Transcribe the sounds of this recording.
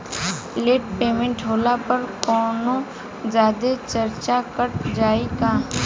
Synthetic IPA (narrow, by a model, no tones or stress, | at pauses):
leːʈ̚peːmẽɳʈɦoːlapəɾkɔːnõ | zaːd̪et͡ʃəɾt͡ʃakəʈ̚d͡ʒaːiɡaː